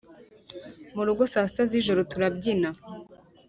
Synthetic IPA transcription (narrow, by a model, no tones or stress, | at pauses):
muɾuɡo̞saːsi̥taziʒoɾotuɾab̚ɟina